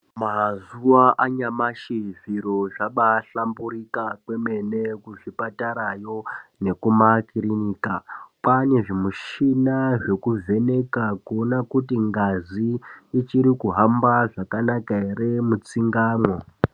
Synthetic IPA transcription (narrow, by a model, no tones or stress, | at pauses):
mazuwaʔaɲamaʃiviɾoʐaɓaɬambuɾikakwe̞me̞ne̞kuʐipataɾajo̞ne̞kumakiɾiniːkapane̞ʐimuʃinaʐe̞kuvʱe̞ne̞kakuonakutiŋɡaziːt͡ʃiɾikuɦambaʐakanakaeɾemut͡siŋɡaːmwo̞